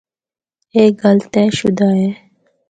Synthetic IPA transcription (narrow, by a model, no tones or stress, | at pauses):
eːɡɐlt̪eːʃṵd̪aːeː